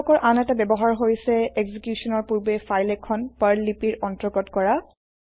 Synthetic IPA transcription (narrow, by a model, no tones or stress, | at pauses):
ɔkɔɹʔanɛtabɛbɔɦaɹɦoɹjsɛɛɡzikjusɔnɔɹpuɹbefajlɛkʰːɔnpaɹlipiɹɔntɹɔɡɔtkɔɹa